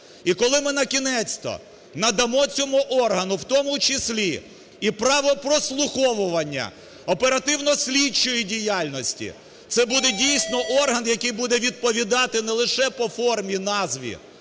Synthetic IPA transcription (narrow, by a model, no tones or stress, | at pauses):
ikɔlˠɪmɪnɐkʲinɛsʲt̪ɔ̰ | nɐd̪ɐmɔt͡sʲɔmuʔɔrɦɐnʊwt̪ɔmʊt͡ʃɪsʲlʲi | ipɾɑʋɔpɾɔslˠʊxɔʋʊʋɐnʲːɐ̰ | ɔpeɾɐt̪ɪwnɔsʲlʲit͡ʃːɔjidʲijɑlʲnɔsʲtʲḭ | t̪sɛbud̪ɛdʲijsʲnɔʔɔrɦɐnjɐkɪjbud̪ɛʋʲid̪̚pɔʋʲid̪ɑt̪ɪnɛlˠɪʃɛpɔfɔrmʲinɑzʋʲḭ